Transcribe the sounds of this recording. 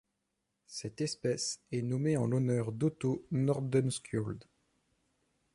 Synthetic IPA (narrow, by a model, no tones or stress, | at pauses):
sɛt̪ɛspɛsɛnɔmeɑ̃lɔnœʁd̪ot̪onɔʁd̪ɛnskʲjɔld̪